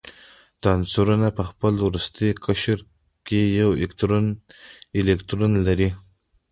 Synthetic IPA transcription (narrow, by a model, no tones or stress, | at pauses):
t̪ɑnsuɾunapəxpəlwɾust̪ikʰəʃɾ | kejawekt̪ɾonɪlekt̪ɾonlaɾi